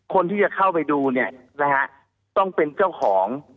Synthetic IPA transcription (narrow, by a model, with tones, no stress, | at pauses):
kʰo˧nt̪ʰiː˥˩t͡ɕa˨˩kʰa˥˩wpa˧jduː˧ni˥˩ɐ | ɾɛ˦˧ɦa˦˥ | t̪ɔ˥˩ŋpe˧nt͡ɕa˥˩wkʰɔː˩˦ŋ